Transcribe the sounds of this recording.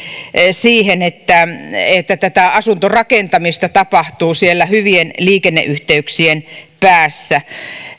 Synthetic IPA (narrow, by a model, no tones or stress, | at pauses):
siːhenet̪ːæet̪ːæt̪æt̪æɑsunt̪orɑkent̪ɑmist̪ɑt̪ɑpɑht̪uːsielːæhyʋienliːkenːḛʔyht̪eyksienpæːsːæ